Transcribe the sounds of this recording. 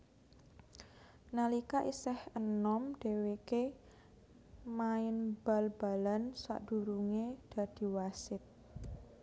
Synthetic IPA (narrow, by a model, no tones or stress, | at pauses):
nalikaʔisɛhənɔmɖ̪̥e̤weke | maɪnb̥a̤lb̥a̤lansa̰ʔd̥ṳɾuŋed̪̥a̤d̪̥i̤wasɪt̪̚